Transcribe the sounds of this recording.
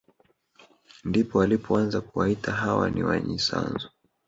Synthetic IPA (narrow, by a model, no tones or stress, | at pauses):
ndipɔalipʰɔanzakuwaitaɦawa̰niwaɲisa̰nzɔ